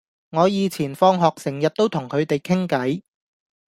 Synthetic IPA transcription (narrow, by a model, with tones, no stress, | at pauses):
ŋɔː˨˧jiː˨˧t͡sʰiː˨˩nfɔː˧ŋɦɔː˨k̚sɪ˨˩ŋjɐ˨t̚t̪ːo˥wt̪ʰʊ˨˩ŋkʰɵ˨˧ɥt̪e˨jkʰɪ˥ŋkɐ˨˥j